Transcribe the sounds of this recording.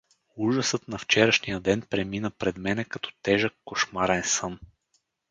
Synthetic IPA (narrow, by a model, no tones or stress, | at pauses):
uʒəsɤt̪nɐft͡ʃɛɾəʃnijəd̪ɛnpɾɛminəpɾɛd̪mɛnɛkɐt̪ɔ̥t̪ɛʒəkːoʃmaɾɛnsən